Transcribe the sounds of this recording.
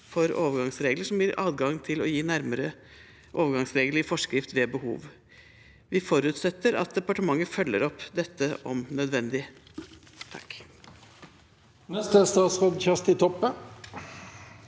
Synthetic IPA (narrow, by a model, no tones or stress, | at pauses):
fɔɾoːʋəɾɡɑŋsɾeːɡləʂɔmbjiːɾʔɑ̰ːd̪ɡɑŋt̪ʰɪlɔjiːnæɾməɾə | ʔoːʋəɾɡɑŋsɾeːɡlɪfɔʂkɾɪft̪ʋeːbəhṵːʋ | ʋɪfɔɾʉːt̪sɛt̪ːəɾɑ̰t̪̚d̪ɛpɑʈəmɑŋːəfœlːə̰ɾɔpd̪ɛt̪ːəɔmnœd̪ʋɛnd̪ɪ | t̪ʰɑ̰k | nɛst̪əst̪ɑːt̪sʁɔd̪çæst̪ɪt̪ʰɔpːə